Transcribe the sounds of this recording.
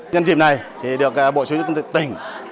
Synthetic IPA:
ɲa˧nzḭ˧˨˩p̚na˨˩jt̪ʰi˨˩ɗɨ˨˩ək̚a˨˧˦ɓo̰˧˨˩sṵ˨˦˥t̪ə˧t̪ʰːt̪ï˨˩ŋ̟

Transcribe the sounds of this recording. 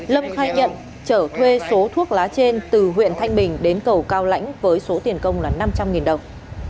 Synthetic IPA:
lə˧mxaː˧jɲə̰˧˨n | t͡ɕəː˧˩t̪ʰwe˧so˨˦t̪ʰu˦˥ək̚laː˨˦t͡ɕe˧nt̪ɨ˨˩ɦwḭ˧˨ənt̪ʰa˧jŋ̟ɓï˨˩ŋ̟ɗe˨˦nkə˨˩wkaː˧wla̰˧˥jŋ̟vəː˨˦jso˨˦t̪i˨˩ənkə˧wŋ͡mlaː˨˩na˧mt͡ɕa˧mŋi˨˩nɗə˨˩w

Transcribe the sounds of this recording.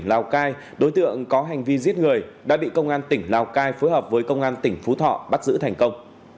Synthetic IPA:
ŋlaː˨˩wkaː˧j | ɗo˨˦jt̪ɨ̰˧˨əŋkɔ˨˦ɦa˨˩jŋ̟vi˧zi˦˥t̚ŋɨ˨˩əjɗa̰ː˧˥ɓḭ˧˨kə˧wŋ͡mʔaː˧nt̪ï˧˩ŋ̟laː˨˩wkaː˧jfo˨˦jɦəː˨˩p̚vəː˨˦jkə˧wŋ͡mʔaː˧nt̪ï˧˩ŋ̟fu˨˦t̪ʰɔ̰˧˨ɓa˦˥t̚zɨ̰˧˥t̪ʰa˨˩jŋ̟kə˧wŋ͡m

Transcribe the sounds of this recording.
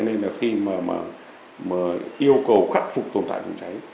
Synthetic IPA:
ɔ˧ne˧nlaː˨˩xi˧maː˨˩ma̰ː˨˩ | maː˨˩ʔi˧əwkə˨˩wxaː˦˥k̚fʊ˨˩k͡p̚t̪o˨˩nt̪a̰ː˧˨t͡ɕə˨˧˩ŋ͡mt͡ɕa˨˦j

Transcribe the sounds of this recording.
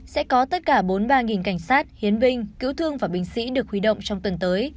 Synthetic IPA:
sɛ̰˧˥kɔ˨˦t̪ə˦˥t̚kaː˧˩ɓo˨˦nɓaː˧ŋi˨˩nka˧˩jŋ̟saː˦˥t̚hi˨˦ənɓï˧ŋ̟kḭ˧˥wt̪ʰɨ˧əŋvaː˨˩ɓï˧˩ŋ̟sḭ˧˥ɗɨ˨˩ək̚hwi˨˦ɗə̰˧˨wŋ͡mt͡ɕɔ˧wŋ͡mt̪wə˨˩nt̪əː˨˦j

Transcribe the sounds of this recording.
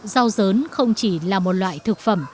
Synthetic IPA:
za˧wzəː˨˦nxə˧wŋ͡mt͡ɕi˧˩laː˨˩mo˨˩t̚lwa̰ː˧˨jt̪ʰɨ˨˩k̚fə˧˩m

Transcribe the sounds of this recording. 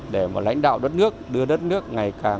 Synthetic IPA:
ɗe˧˩maː˨˩la̰˧˥jŋ̟ɗa̰ː˧˨wɗə˦˥t̚nɨ˦˥ək̚ɗɨ˧əɗə˦˥t̚nɨ˦˥ək̚ŋa˨˩jkaː˨˩

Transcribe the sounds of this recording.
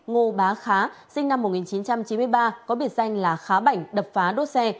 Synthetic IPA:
ŋo˧˩ɓaː˨˦xaː˨˦sï˧ŋ̟na˧m̚ː˨˩ŋi˨˩t͡ɕi˨˦nt͡ɕa˧mt͡ɕi˨˦m˧əjɓaː˧kɔ˨˦ɓi˧˩ət̚za˧jŋ̟laː˨˩xaː˨˦ɓa˧˩jŋ̟ɗə˨˩p̚faː˨˦ɗo˦˥t̚sɛ˧

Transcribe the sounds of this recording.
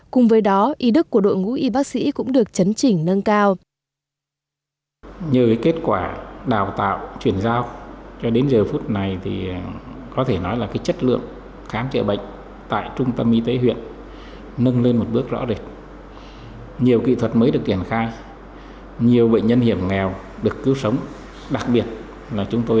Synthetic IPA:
kʊ˨˩ŋ͡mvəː˨˦jɗɔ˨˦ʔi˨˦ɗɨ˦˥kːu˧˩əɗo̰˧˨jŋṵ˧˥ʔi˧ɓaː˦˥k̚sḭ˧˥kʊ̰˧˥ŋ͡mɗɨ˨˩ək̚t͡ɕə˨˦nt͡ɕï˨˩ŋ̟nə˧nkaː˧w | ɲi˨˩wkaː˨˦jke˦˥t̚kwaː˧˩ɗaː˨˩wt̪a̰ː˧˨wt͡ɕwi˧˩ənzaː˧wt͡ɕɔ˧ɗe˨˦nzəː˨˩fu˦˥t̚na˨˩jt̪ʰi˨˩kɔ˨˦t̪ʰe˧˩nɔ˨˦jlaː˨˩kaː˨˦jt͡ɕə˦˥t̚lɨ̰˧˨əŋ | xaː˨˦mt͡ɕə̰˧˩ɓə̰˧˨ŋ̟ | t̪a̰ː˧˨jt͡ɕʊ˧ŋ͡mt̪ə˧mʔi˧t̪e˨˦ɦwḭ˧˨ənː | ə˧nle˧nmo˨˩t̚ɓɨ˦˥ək̚zɔ̰˧˥ze˨˩t̚ | ɲi˨˩əwkḭ˧˨t̪ʰwə˨˩t̚məː˨˦jɗɨ˨˩ək̚t͡ɕi˧˩ənxaː˧j | ɲi˨˩əwɓə̰˧˨ŋ̟ɲə˧nhi˧˩əmŋɛ˨˩w | ɗɨ˨˩əkːɨ˨˦wsə˨˦wŋ͡m | ɗa˨˩k̚ɓi˨˩ət̚ | laː˨˩t͡ɕʊ˨˦ŋ͡mt̪o˧

